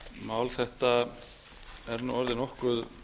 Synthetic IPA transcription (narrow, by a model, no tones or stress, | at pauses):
maːwlθɛht̪a | ɛɾnṵɔɾðɪnɔhkʏð